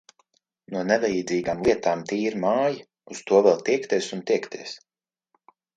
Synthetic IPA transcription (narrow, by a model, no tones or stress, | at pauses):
nuɔnɛvɛjid̪ziːɡaːmlˠiɛt̪aːmt̪iːiɾmaːji | ust̪uɔvɛlˠt̪iɛkt̪iɛsunt̪iɛkt̪iɛs